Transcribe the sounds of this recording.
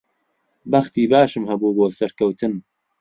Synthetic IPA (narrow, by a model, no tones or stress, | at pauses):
bɐχt̪iːbaːʃɨmhɐbuːboːsɐɾkɐwt̪ʰɨn